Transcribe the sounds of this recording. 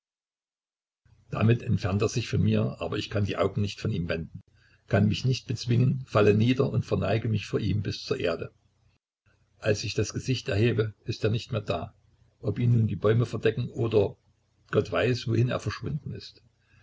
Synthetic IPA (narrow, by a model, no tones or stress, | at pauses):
d̥a̰mɪtɛntfɛɐnteːɐzɪçfɔnmiːɐʔa̰ːbɐɪçkʰandiːʔaʊɡŋ̩nɪçtfɔniːmvɛndn̩ | kʰanmɪçnɪçt̚b̥ət͡sv̥ɪŋənfaləniːdɐʊntfɛɐnaɪɡəmɪçfoːɐʔḭːmbɪst͡suːɐʔḛːɐdə | ʔalsɪçd̥asɡ̥əzɪçtɛɐheːbəʔɪsteːɐnɪçtmeːɐda̰ː | ʔɔpʔiːmnuːndiːbɔʏməfɛɐdɛkŋ̩ʔoːdɐ | ɡ̥ɔtv̥aɪsv̥ohɪnḛːɐfɛɐʃv̥ʊndn̩ɪ̰st